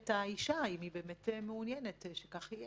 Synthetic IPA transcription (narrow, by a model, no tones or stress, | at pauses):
taiʃaimibeːmetmeunjɛnetʃekaχhijɛ